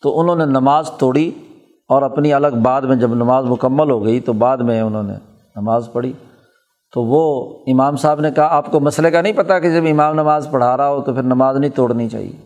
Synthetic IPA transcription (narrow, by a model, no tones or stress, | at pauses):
t̪oʔʊnɦõːnenɐmaːzt̪oːɽi | ɔːɾɐpniɐləɡbaːd̪mẽd͡ʒɐbnɐmaːzmʊkəmːəlɦoɡɐit̪obaːd̪mẽʊnõːnḛ̃ | nɐmaːzpɐɽ̤iː | t̪oʋoːɪmaːmsaːbnekɐɦaaːpkomɐslekanɐɦĩpɐt̪aked͡ʒɐbɪmaːmnɐmaːzpɐɽ̤aːɾaɦot̪opʰɪɾnɐmaːznɐɦĩt̪oːɽnit͡ʃa̰ːɦḭe